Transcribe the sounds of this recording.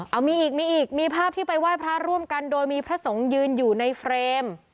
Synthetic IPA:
ʔa˧˩miː˧ʔiː˨˩k̚miː˧ʔiː˨˩k̚miː˧pʰaː˥˩p̚t̪ʰiː˥˩pa˧jwaː˥˩jpʰɾa˦˥ɾu˥˩əmka˧ndoː˧jmiː˧pʰɾa˦˥so˩˦ŋjɯː˧njuː˨˩na˧jfʰɾeː˧m

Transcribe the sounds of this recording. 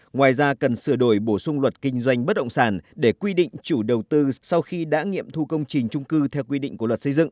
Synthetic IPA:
ŋwaː˨˩jzaː˧kə˨˩nsɨ˧˩əɗo˧˩jɓo˧˩sʊ˧ŋ͡mlwə˨˩t̚kï˧ŋ̟zwa˧jŋ̟ɓə˦˥t̚ɗə̰˧˨ŋ͡msaː˧˩nɗe˧˩kwi˧ɗḭ̈˧˨ŋ̟t͡ɕu˧˩ɗə˨˩wt̪ɨ˧sa˧wxi˧ɗa̰ː˧˥ŋḭ˧˨əmt̪ʰu˧kə˧wŋ͡mt͡ɕi˨˩ŋ̟t͡ɕʊ˧ŋ͡mkɨ˧t̪ʰɛ˧wkwi˧ɗḭ̈˧˨ŋ̟ku˧˩əwə˨˩t̚sə˧jzɨ̰˧˨ʔ

